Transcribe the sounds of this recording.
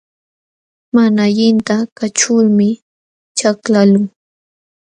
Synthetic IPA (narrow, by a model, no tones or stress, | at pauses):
manaʎɪnt̪akat͡ʃʊɾmɪ | t͡ʃaklalʊŋ